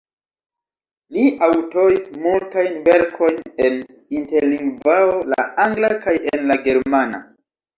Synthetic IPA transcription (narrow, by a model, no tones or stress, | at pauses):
liʔawto̞ɾismultajnve̞ɾkʰo̞jne̞n | inte̞ɾliŋɡvaola̰ʔaŋɡlakajenlaɡe̞ɾmana̰